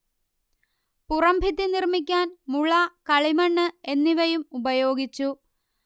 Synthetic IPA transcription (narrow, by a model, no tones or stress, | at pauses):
purɐmbʱit̪ːinirmik̬ʲːaːnmuɭɐkɐɭimɐɳːɨe̞nːiʋɐjumubɐjo̞ːɡit͡ɕːu